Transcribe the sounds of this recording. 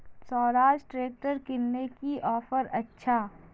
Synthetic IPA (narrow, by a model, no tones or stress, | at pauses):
sɔːɾaːʃʈɾeːk̚ʈəɾkɪnːekiʔɔːfəɾɐtːʃʰaː